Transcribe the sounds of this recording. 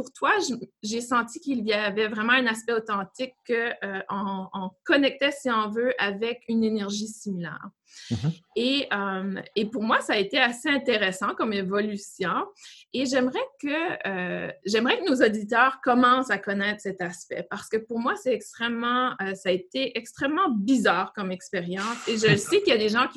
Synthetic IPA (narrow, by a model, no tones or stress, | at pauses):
puʁt̪waʒʒesɑ̃t̪ikʲilɥiavɛvʁɛmɑ̃ɛ̃naspɛot̪ɑ̃t̪ɪkːəʔøʔɔ̃ɔ̃kɔnɛk̚t̪ɛsiɔ̃vøʔavɛkynenɛʁʒisimilɛ̰ːʁ | eəmepuʁmwasaːet̪easeɛ̃t̪eʁɛsɑ̃kɔmevɔlysjɔ̃eʒɛmʁɛkəː | ʒɛmʁɛkənozod̪it̪œːʁkɔmɑ̃sakɔnɛːt̪χsɛt̪aspɛ̰paʁ̥sə̥kəpuʁmwasɛt̪ɛkst̪χɛmːɑ̃øsaːet̪eʔɛkst̪χɛmːɑ̃bizaːʁkɔmɛkspeʁjɑ̃seʒəlsekiljad̪eʒɑ̃kʲi